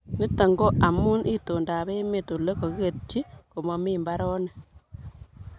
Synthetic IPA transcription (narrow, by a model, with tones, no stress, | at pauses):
ni˦ta˨ŋɡo˦ʔa˨mu˦nʔi˦to˨nda˨βe˦me˨to˨le˦ko˨ɣe˨ti˦ko˨ma˦miːmba˦ɾo˦ne˨